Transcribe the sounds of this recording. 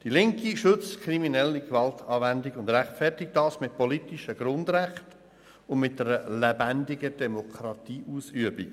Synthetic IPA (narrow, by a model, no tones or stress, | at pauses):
d̥ilɪŋkiʃʏt͡skʰɾiminɛlːikvɑltʰɑːvændiɡʊndræχtfɛrtɪk̚d̥ɑːsmɪt̚pɔlitiʃəɡ̥ɾʊndɾæχt | ʊnmɪt̚dɛɾəlɛbændɪɡəd̥ɛmokʰɾɑtiːʔuːsyəbik